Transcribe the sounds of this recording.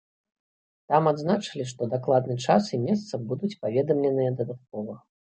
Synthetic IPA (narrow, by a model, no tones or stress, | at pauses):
t̪amad̪znat͡ʂɨlʲiʂt̪ɔd̪aklˠad̪nɨt͡ʂasimʲɛs̬t̪sɐbud̪ut͡sʲpavʲɛd̪ɐmlʲɛnɨjɐd̪ɐd̪at̪̚kɔvɐ